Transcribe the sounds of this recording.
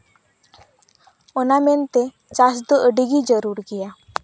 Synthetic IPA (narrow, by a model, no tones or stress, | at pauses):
ɔnamɛnt̪ɛ | t͡ʃas̬d̪ɔʔəɖəɡid͡ʒəɾuɾɡɛja